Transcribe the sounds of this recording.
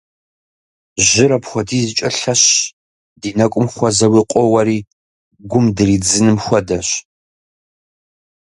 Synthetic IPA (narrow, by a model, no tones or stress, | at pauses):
ʒɪɾɐpxʷɔdʰiːzɨt͡ʃʼɐɬɐɕ | diːnɐkʷʼʊmxʷɔzɐwiːqʷʼɔwɐɾiː | ɡʷʊmdɨriːd͡zɨnɨmxʷɔdɐɕ